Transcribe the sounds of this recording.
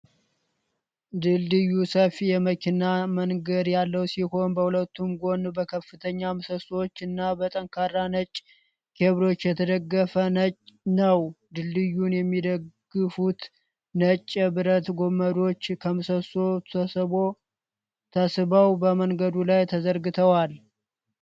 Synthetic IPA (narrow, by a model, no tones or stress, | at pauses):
d̪ɨld̪ɨjːusəfijɛməkʰinːaməŋɡəd̪jalːəwsiho̞nbəhulət̪ːumɡo̞nbəkʰəfɨt̪ʰəɲːamɨsəswot͡ʃːɨnːabət̪ʼəŋkʰarːanət͡ʃʼ | kʰe̞βɾo̞t͡ʃːjɛt̪ʰəd̪əɡːəfənət͡ʃʼnəwd̪ɨlːɨjːunjɛmːid̪əɡɡːɨfut̪ | nət͡ʃʼːbɨɾət̪ɡo̞mːəd̪o̞t͡ʃːkʰəmɨsəsoo | t̪ʰəsɨβəwbəməŋɡəd̪ulajt̪ʰəzəɾɡɨt̪ʰəwal